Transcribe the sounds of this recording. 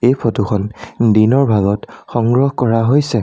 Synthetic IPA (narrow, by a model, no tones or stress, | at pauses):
ejpʰotukʰɔndinɔɹbʱaɡɔtxɔŋɡɹɔhkɔɹaɦojsɛ